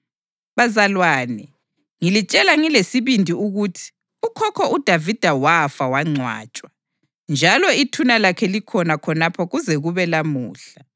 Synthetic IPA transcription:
βazalwaːnɛ | ŋilit͡ʃʼɛlaŋilesiβindʱiuɣutʰi̥ | ukʰɔkʰɔʔud̥ʱavid̥ʱawafawaŋ͡ǀʱwa̰ːt͡ʃʼwa | nd͡ʒʱalɔitʰunalakʰɛlikʰɔnakʰɔnapʰɔɣuzɛɣuβɛlamuːɬa

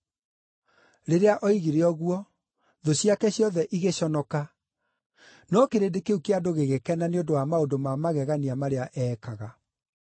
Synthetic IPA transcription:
ɾeɾeaʔɔiɣiɾeɔɣwɔ | ðoɕiakɛɕjɔðɛʔiɣeɕɔnɔka | nɔkeɾedekeukeadoɣeɣekɛnaneondowamaondomamaɣɛɣaniamaɾeaʔɛkaɣa

